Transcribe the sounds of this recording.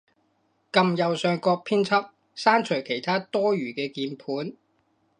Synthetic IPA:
kɐ˨mjɐ˨wsœː˨˧ŋkɔː˧k̚pʰiː˥nt͡sʰɐ˥p̚ | saː˥nt͡ʃʰɵ˨˩ɥkʰe˨˩jt̪ʰaː˥t̪ɔː˥ɥyː˨˩kɛː˧kiː˧npʰuː˨˥n

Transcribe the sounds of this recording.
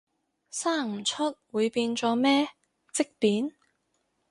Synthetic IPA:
saː˥˩ŋ̩˨˩t͡ʃʰɵ˥t̚wuː˨˧jpiː˧nt͡ʃɔː˨˧mɛː˥ | t͡sɪ˥k̚piː˨˥n

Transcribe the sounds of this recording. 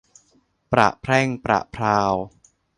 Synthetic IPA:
pɾa̰˨˩ʔpʰɾɛː˥˩ŋpɾa̰˨˩ʔpʰɾaː˧w

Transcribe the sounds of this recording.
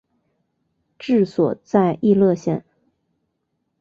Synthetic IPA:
ʈ͡ʂɻ̩˥˩swɔ˨˩t͡sa˥˧ɪʔi˥˧lɤ˥˧ɕjɛ˥˩n

